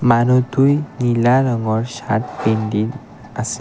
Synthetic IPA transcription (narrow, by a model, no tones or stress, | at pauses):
manɔt̪ujnilaɾəŋɡɔɾɕa̰ʈpeɳɖin | əse